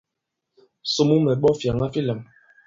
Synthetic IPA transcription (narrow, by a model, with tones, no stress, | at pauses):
so˨mu˦mɛ˨ɓɔ˦fja˨ŋa˦fi˦lɛ˨m